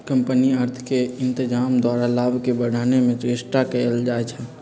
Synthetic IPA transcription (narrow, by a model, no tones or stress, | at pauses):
kəmpəniəɾt̪ʰkeɪnt̪ɪd͡ʒaːmd̪waɾalabʱkebəɽʱaːnemẽt̪esʈakəəld͡ʒaet͡ʃʰɛ